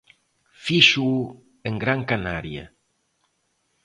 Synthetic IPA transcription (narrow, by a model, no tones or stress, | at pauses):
fiʃu | eŋɡɾaŋkanaɾja̰